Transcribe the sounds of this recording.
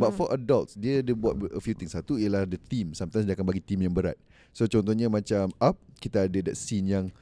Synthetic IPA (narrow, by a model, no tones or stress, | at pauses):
bat̪̚fɔʔadalt̪sdiədəbuat̪̚əfjut̪ɪŋsat̪uijəlahdət̪imsamt̪ajsdiakanbaɡit̪imjaŋbəɾa̰t̪̚ | sot͡ʃɔnt̪ɔhɲamãt͡ʃamap̚kit̪aːdədat̪sinjaŋ